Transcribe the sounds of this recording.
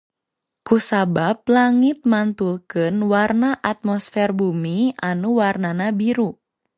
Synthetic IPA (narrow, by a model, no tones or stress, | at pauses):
kusabab̚laŋit̪̚mant̪ulkɨnwarnaʔat̪̚mɔsfɛrbumianuwarnanabiɾu